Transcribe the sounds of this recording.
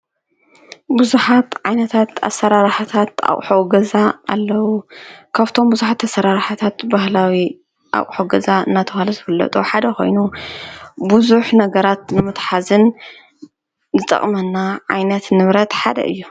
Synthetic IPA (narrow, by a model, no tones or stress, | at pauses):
buzuħat̪ʕajnɐt̪ʰat̪a̰sːɐɾaɾħat̪ʰat̪a̰ʔʼħoɡɐza̰ːlːɐwukʰaβt̪ʰo̞mbuzuħat̪ʰːasɐɾaɾħat̪ʰat̪bahlawi | ʔa̰ʔʼħoɡɐzaɨ̰nːat̪ʰɐxalɐzɨfɨlːɐ̰t̪ʼuħad̪ɐko̞̰jnu | buzuħnɐɡɐɾat̪nɨmɨt̪ħazɨn | zɨt̪ʼɐ̰χʼmɐnːaʕajnɐt̪nɨβɾɐt̪ħad̪ɐ̰ʔɨ̰jːu